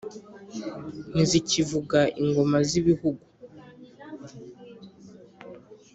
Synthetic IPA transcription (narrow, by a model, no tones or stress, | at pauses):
n̥izicivuɡaiŋɡo̞maziβihuɡu